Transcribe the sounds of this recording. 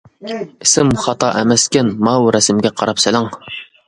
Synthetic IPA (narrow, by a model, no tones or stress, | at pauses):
ɪsɪmχɑt̪ɑʔɛmɛskʲɛnmɑwɾɛsɪmɡʲɛqʰɑɾɑpsɪlɪŋ